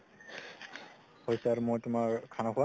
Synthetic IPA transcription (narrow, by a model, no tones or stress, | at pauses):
hojsaɹmojtʊmakkʰanakʰua